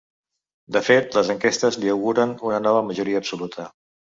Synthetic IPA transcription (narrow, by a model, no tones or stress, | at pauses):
d̪əfet̪ləzəŋkest̪əzliəwɣuɾənunənɔβəməʒuɾiəːpsulut̪ʰə